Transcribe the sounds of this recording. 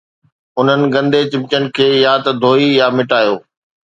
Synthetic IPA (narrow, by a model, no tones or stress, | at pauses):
ʊn̤ənɪ̆ɡɐ̃nd̪et͡ɕɪ̃mt͡ɕənɪ̆kʰeːjaːt̪d̪ʱoːijamɪʈaːjoː